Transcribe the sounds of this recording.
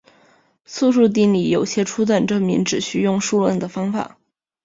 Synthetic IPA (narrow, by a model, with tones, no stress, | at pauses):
su˥˧ʂu˥˧t̪̬i˥˩ŋli˨˩jo˨˩ʊɕjɛ˥ʈ͡ʂʰu˥t̪̬wa˥˩nʈ͡ʂɤ˥˩mi˧˥ŋʈ͡ʂɻ̩˨˩ɕy˥˧jʊ˥˧ŋʂu˥˧lwə˥˩nd̪ə˨fɑ˥ŋfa̰˨˩˦